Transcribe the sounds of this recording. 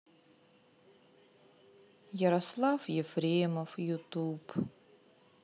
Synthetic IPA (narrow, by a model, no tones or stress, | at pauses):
jəɾɐslˠafjɛfɾʲeməfjʊt̪up